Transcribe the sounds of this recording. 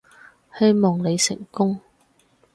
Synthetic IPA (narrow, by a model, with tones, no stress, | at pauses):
he˥jmɔː˨˩ŋle˨˧jsɪ̰˨˩ŋkʊ˥ŋ